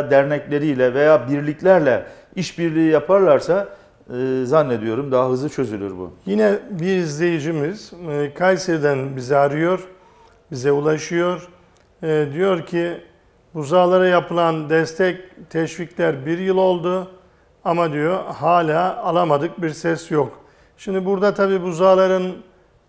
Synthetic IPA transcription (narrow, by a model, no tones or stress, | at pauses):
d̪æɾnɛclʲe̞ɾijlʲɛve̞jaːbiɾlʲiclʲæɾlʲɛ | iʃbiɾlʲiːijapʰaɾlˠaɾsaː | zanːe̞d̪ijo̞ɾumd̪aɦaɦɯzˠɯt͡ʃʰø̞zylʲyɾbṵjinɛbiɾizlʲe̞jid͡ʒimiz̥kʰajsed̪ænbizɛaɾɯjo̞ɾ | bizɛulˠaʃɯjo̞ɾ | d̪ijo̞ɾcʰi | buzaːlˠaɾajapɯlˠand̪ɛst̪ʰɛct̪ʰɛʃviclʲæɾbiɾjɯlˠo̞lˠd̪ʊ | amad̪ijo̞haːlʲaːalˠamad̪ɯk̚biɾsɛsjok | ʃimd̪ibuɾd̪at̪ʰabiːbuzaːlˠaɾɯn